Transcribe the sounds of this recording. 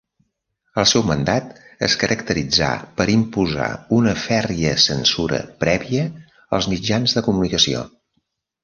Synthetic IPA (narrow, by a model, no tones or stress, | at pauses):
əlˠsɛwmənd̪at̪ə̰skəɾʔəkt̪əɾid͡za̰pəɾimpuza̰unəfɛriəsənsuɾə̰pɾɛβiə | əlˠzmid͡ʒanzðəkumunikəsio̰